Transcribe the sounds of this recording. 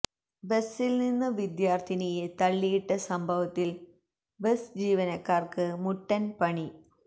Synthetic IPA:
besːilninːɨʋid̪jaːrt̪ʰinejet̪ɐɭːijiʈːɐsɐmbʱɐʋɐt̪ːil | besd͡ʑiːʋɐnɐkːaːrkɨmuʈːɐnpɐɳi

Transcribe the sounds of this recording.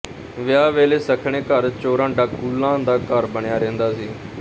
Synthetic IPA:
ʋɪjaːʋeːleːsəkʰɳ̃eːkəɾt͡ʃoːɾãːɖaːɡʊlːãːd̪aːkəɾbəɳjaːɾẽːnd̪aːsiː

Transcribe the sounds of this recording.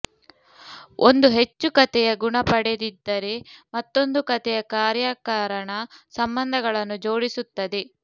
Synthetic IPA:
ond̪uɦe̞t͡ʃːukɐt̪ɛjɐɡuɳɐpɐɽed̪id̪ːɐɾemɐt̪ːo̞nd̪ukɐt̪ɛjɐkaːɾjaːkaːɾɐɳɐsɐmbɐnd̪ʱɐɡɐɭɐnːud͡ʒo̞ːɽisut̪ːɐd̪e

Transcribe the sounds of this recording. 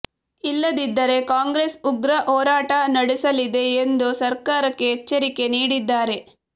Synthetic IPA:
ilːɐd̪id̪ːɐɾe̞kaːŋɡɾe̞ːsuɡɾɐʔoːɾaːʈɐnɐɽisɐlid̪e̞ːnd̪usɐɾkaːɾɐkːeɦet͡ʃːɐɾike̞niːɽid̪ːaːɾe̞

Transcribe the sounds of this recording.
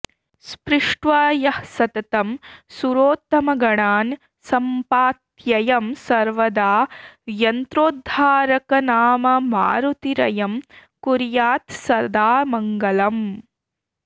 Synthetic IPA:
spɾɪʂʈʋaːjɐhsɐt̪ɐt̪ɐmsuɾoːt̪ːɐmɐɡɐɳaːn | sɐmpaːt̪jɐjɐmsɐɾʋɐd̪aːjɐnt̪ɾoːd̪ʱːaːɾɐkɐnaːmɐma̰ːɾut̪iɾɐjɐmkuɾjaːt̪sɐɾd̪aːmɐŋɡɐlɐm

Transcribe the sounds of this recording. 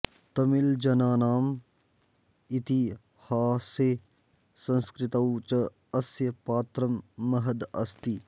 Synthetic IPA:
t̪ɐmild͡ʒɐnaːnaːm | it̪i | haːse | sɐ̃nskɾɪt̪ɐwt͡ʃɐ | ɐsjɐpaːt̪ɾɐmːɐɦɐd̪ɐst̪i

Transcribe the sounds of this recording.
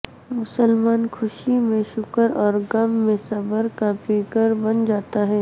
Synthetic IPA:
mʊsəlmaːnkʰʊʃimẽʃʊkəɾɔːɾɡɐmːẽsɐbəɾkafeːkəɾbɐnd͡ʒaːt̪aɦɛː

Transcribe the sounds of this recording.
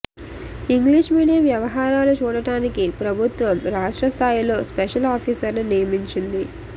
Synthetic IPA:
iŋɡliːʂmiːɽijɐmʋjɐʋɐɦaːɾaːlut͡ʃuːɽɐʈaːnikipɾɐbʱut̪ʋɐmɾaːʂʈɾɐst̪ʰaːjilo̞ːspeʃɐlaːpʰiːsɐɾnunijɐmiɲt͡ʃind̪i

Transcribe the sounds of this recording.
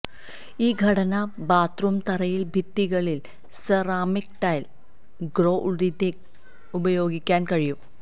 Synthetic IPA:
iːɡʱɐɽɐnɐ | baːt̪rumt̪ɐɾɐjilbʱit̪ːiɣɐɭil | sɐraːmikʈɐjl | ɡro̞ːʔuɽid̪e | ubɐjo̞ːɡikʲːaːnkɐɻijum

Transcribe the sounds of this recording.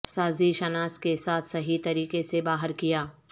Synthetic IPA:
saːziʃɐnaːskesaːt̪ʰsɐɦit̪ɐɾiːqesebaːɦəɾkijaː

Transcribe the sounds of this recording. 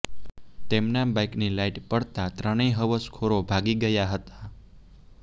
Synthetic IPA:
t̪emnabajknilaiʈpəɽt̪at̪ɾəɽ̃iɦəʋəskʰoɾobʱaɡiɡəjaɦət̪a

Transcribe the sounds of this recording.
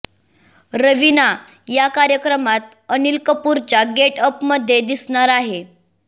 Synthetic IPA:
ɾəʋina | jakaɾjəkɾəmat̪̚ | ənilkəpuɾt͡ɕaɡeʈəpməd̪ʱːjed̪isɳaɾaɦe

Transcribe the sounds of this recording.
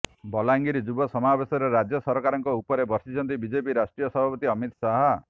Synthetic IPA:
bɔlaŋɡiɾid͡ʒubɔsɔmabesɔɾeɾad͡ʒjɔsɔɾkaɾɔŋkɔupɔɾebɔɾsit͡ʃʰɔnt̪ibid͡ʒepiɾasʈɾijɔsɔbʱapɔt̪iɔmit̪saɦɔ

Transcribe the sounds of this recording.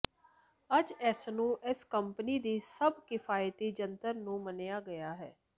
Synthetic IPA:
əd͡ʒɛːsnũːʔɪskəmpəniːd̪iːsəbkɪpʰaːjt̪iːd͡ʒənt̪əɾnũːmənjaːɡəjaːɦɛː

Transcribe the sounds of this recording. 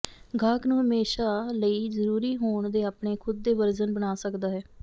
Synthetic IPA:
ɡʱaːknũːɦəmeːʃaːləiːzəɾuːɾiːɦoːɳd̪eːaːpɳeːkʰʊd̪̚ːeːʋəɾzənbəɽaːsəkd̪aːɦɛː

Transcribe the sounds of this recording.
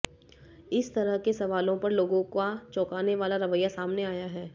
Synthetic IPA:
ɪst̪ɐɾəɦkesɐʋaːlõpɐɾloːɡõkat͡ʃɔːkaːneʋaːlaɾɐʋəjːasaːmneaːjaɦɛː

